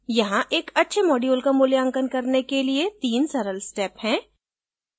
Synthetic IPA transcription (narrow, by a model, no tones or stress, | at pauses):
jɐɦãʔeːkɐtːʃʰemɔːɖioːlkamʊːljə̃ŋkənkɐɾnekeliet̪iːnsɐɾəlsʈɛːphɛ̃ː